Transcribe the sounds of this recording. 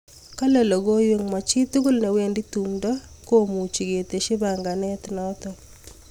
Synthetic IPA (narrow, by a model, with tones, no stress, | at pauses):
ka˦lɛ˨lɔ˨ɡo˦jwe˦ŋma˨t͡ʃi˦t̪u˦ɡu˦lnɛ˨we˦ndi˦t̪u˨mdɔ˦ko˦mu˨t͡ʃi˨ɡe˨t̪e˨ʃɪ˦ba˨ŋɡa˨nɛ˦t̪nɔ˦t̪ɔ˨